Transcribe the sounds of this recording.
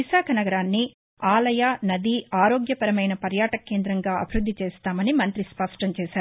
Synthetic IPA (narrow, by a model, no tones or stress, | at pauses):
iʃaːkʰɐnɐɡɐɾaːnːi | aːlɐjaːnɐd̪iːaːɾo̞ːɡjɐpɐɾɐmɐjnɐpɐɾjaːʈɐke̞ːnd̪ɾɐŋɡaːɐ̰bʱiɾud̪ːit͡ʃeːst̪aːmɐnimɐnt̪ɾispɐʂʈɐɲt͡ʃɛːʃaːɾu